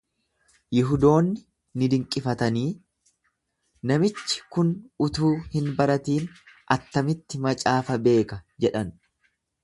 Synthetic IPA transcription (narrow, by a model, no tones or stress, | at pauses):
jɪɦʊd̪o̞ːnːɪ | nɪd̪ɪŋkʼːɪfɐt̪ɐniː | nɐmɪt͡ʃːɪ̥kʊnʊt̪uːhɪnbɐɾɐt̪iːnʔɐt̪ːɐmɪt̪ːɪmɐt͡ʃʼaːfɐbe̞ːkɐd͡ʒɛᶑɐn